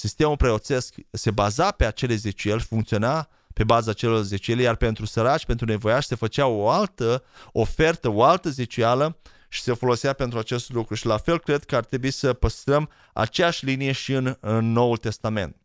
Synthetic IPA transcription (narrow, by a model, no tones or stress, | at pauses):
sist̪e̞mulpɾeo̞t̪se̞skse̞bazape̞at͡ʃe̞leze̞t͡ʃue̞lʲfuŋkt̪sio̞na | pe̞bazaːt͡ʃe̞lo̞rze̞t͡ʃue̞lejarpe̞nt̪ɾusəɾat͡ʃʲpe̞nt̪ɾune̞vo̞jaʃʲse̞fət͡ʃeaoalt̪əofe̞rt̪əoalt̪əze̞t͡ʃualə | ʃi̥se̞fo̞lo̞sape̞nt̪ɾuat͡ʃe̞st̪lukɾuʃilafe̞lkɾe̞d̪kəart̪ɾe̞buisəpəst̪ɾəm | a̰t͡ʃe̞jaʃʲlinije̞ʃiɨnɨnːo̞ult̪e̞st̪ame̞̰nt̪̚